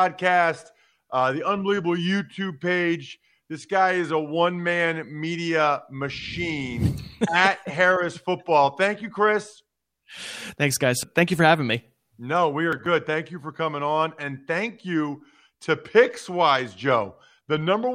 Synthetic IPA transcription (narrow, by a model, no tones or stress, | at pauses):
ɑd̚kʰæst | ʔðiʌ̃nbəlivəbl̩ˠjʉtʰʉb̚peɪd͡ʒ | ðɪsɡ̥aɪɨzəwʌ̃nmæ̃nmiɾiɨmɨʃĩnɨt̚ɦɛɹɨsfʊt̚b̥ɔlˠθæ̃ŋkjɨkʰɹ̥ɪs | θæ̃ŋksɡ̥aɪz̥θæ̃ŋkjɨfə˞hævɪ̃ŋmi | noʊwiə˞ɡʊd̪̚θæ̃ŋkjɨfə˞kʰʌmɪ̃ŋə̃nɨ̃nθæ̃ŋkʰjʉ | ɾɨpʰɪkswaɪzd͡ʒoʊ | ðɨnʌ̃mbə˞